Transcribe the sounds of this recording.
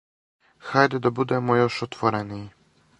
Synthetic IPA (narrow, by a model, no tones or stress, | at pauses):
xajd̪ɛd̪ɔbud̪ɛmɔjɔʂɔt̪fɔɾɛnij